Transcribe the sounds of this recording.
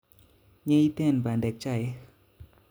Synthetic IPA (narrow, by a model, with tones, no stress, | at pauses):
ɲɛ˧˦i˦t̪ɛ˦˧˨nbaː˨ndɛ˨k̚t͡ʃa˧˨j